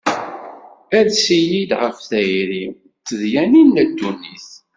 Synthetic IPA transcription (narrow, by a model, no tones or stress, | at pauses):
æðsijid̪ʁəfθæjɾim | t͡sːəðjæninːæd̪ːunːiθ